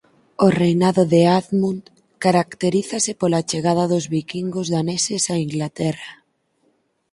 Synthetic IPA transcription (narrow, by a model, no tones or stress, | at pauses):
orejnaðoðeaðmun | kaɾakt̪eɾiθasɪpolat͡ʃeɣaðaðozβikiŋɡozðanesesaiŋɡlat̪ɛra